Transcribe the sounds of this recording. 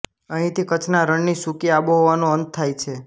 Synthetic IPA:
əɦĩt̪ʰikət͡ʃʰnaɾəɳnisukiaboɦoʋanõənt̪̚t̪ʰːajt͡ʃʰe

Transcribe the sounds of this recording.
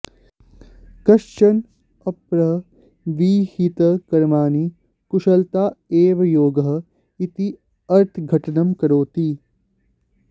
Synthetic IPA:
kɐʃt͡ʃɐn | ɐpɾɐɦ | ʋiːhit̪ɐkɐɾmaːni | kuʃɐlt̪aːeːʋɐjoːɡɐɦɐ | it̪i | ɐɾt̪ʰɡʱɐʈɐnɐmkɐɾoːt̪i

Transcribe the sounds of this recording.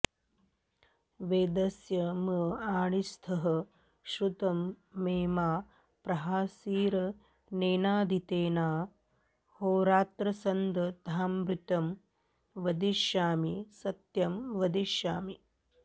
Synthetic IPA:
ʋeːd̪ɐsjɐmɐaːɳist̪ʰɐɦɐ̆ | ʃɾut̪ɐmːeːmaː | pɾɐɦaːsiːɾɐ | neːnaːd̪it̪eːnaː | hoːɾaːt̪ɾɐsɐnd̪ɐd̪ʱaːmbɾut̪ɐm | ʋɐd̪iʃjaːmisɐt̪jɐmʋɐd̪iʃjaːmi

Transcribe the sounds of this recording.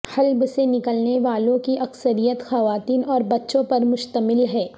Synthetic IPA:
xɐlbsenɪkəlneʋaːlõkiʔɐksəɾijət̪xɐʋaːt̪iːnɔːɾbɐtːʃõpɐɾmʊʃt̪əmɪlɦɛː

